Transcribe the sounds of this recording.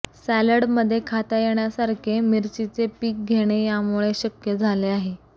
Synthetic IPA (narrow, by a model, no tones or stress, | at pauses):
sæləɽməd̪ʱːjekʰat̪ajeɽjasaɾkʰemiɾt͡ɕit͡sepiːk̚ɡʱeɽ̃ejamuɭeɕəkjəd͡zʱaleaɦe